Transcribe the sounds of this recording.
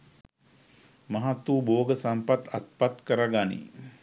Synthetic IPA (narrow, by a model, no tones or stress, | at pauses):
mɐɦat̪ːuːboːɡəsampat̪at̪̚pat̪kəɾaɡanḭ